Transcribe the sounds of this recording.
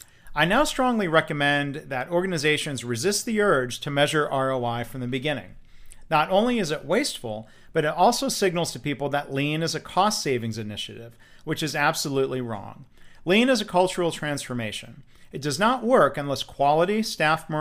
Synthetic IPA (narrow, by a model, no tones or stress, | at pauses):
aɪnaʊstɹ̥ɔ̃ŋliɹɛkɨmɛ̃nðɨɾɔɹɡɨnɨzeɪʃɨ̃nzɹɨzɪst̪̚ðiɜ˞dʒ̥tʰɨmɛʒə˞ʔɑɹoʊaɪfɹʌ̃mðɨbɨɡɪ̃nɪ̰̃ŋ | nəɾõʊ̃nliɨzɨʔ̚weɪstfl̩ˠ | b̥ʌɾɨɾɔlˠsoʊsɪɡ̚nl̩ˠz̥tʰɨpipl̩ˠðɨʔˡlĩnɨzɨkʰɔstseɪvɪ̃ŋzɨnɪʃɨ̰ɾɪv | wɨt͡ʃɨzæb̥səlutˡliɹɔ̰̃ŋlĩnɨzɨkʰʌlˠt͡ʃə˞l̩ˠtʰɹ̥æ̃nsfə˞meɪʃɨ̰̃n | ɨt̚d̥ʌznəʔwɜ˞kɨ̃nlɛskʰw̥ɑlˠəɾistæfmə